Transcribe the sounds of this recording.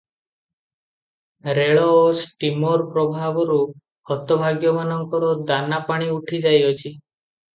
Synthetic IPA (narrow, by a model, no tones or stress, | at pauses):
ɾeɭɔːsʈimoɾpɾɔbʱabɔɾu | hɔt̪ɔbʱaɡjɔmanɔŋkɔɾɔd̪anapaɽ̃iuʈʰid͡ʒajɔt͡ʃʰi